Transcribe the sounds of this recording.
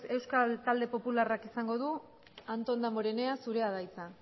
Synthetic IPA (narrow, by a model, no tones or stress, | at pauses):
e̞wskalt̪ald̪e̞po̞pularakisaŋɡo̞ð̞u | ant̪o̞nd̪amoɾe̞ne̞asuɾe̞aðajt͡sa